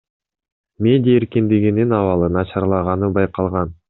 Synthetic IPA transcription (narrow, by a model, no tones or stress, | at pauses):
mʲe̞dʲɪjaeɾkind̪iɡʲininɑvɑlˠɯnɑʃɑɾlˠɑʁɑnɯbɑjqɑlˠʁɑn